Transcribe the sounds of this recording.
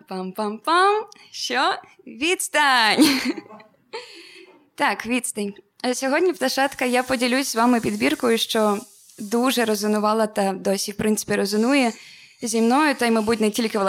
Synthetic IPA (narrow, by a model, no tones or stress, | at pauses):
pampampam | ʃt͡ʃɔ | ʋʲidt̪st̪ɐnʲ | t̪ɑkʋʲit̪st̪ɐnʲ | sʲɔɦɔdʲnʲipt̪ɐʃɑt̪kɐjapɔdʲilʲuzʲzʋɑmɪpʲid̪bʲirkɔjʊʃt͡ʃɔ | d̪uʒɛɾɔzɪnʊʋɑlˠɐt̪ɐd̪ɔsʲifpɾɪnsɪ̥pʲiɾɔzʊnujɛzʲimnɔjʊt̪ɐjmɐbutʲnɛtʲilʲkɪʋlˠ